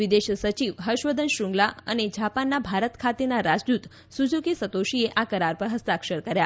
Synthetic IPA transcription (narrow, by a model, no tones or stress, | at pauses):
ʋid̪eʃsət͡ʃiʋɦəʃʋəd̪ʱənʃũŋɡlaə̰ned͡ʒapanːabʱaɾət̪kʰat̪enaɾad͡ʒd̪ut̪ | sud͡ʒokisət̪oʃieʔakəɾaɾpəɾɦəst̪akʃəɾkəɾja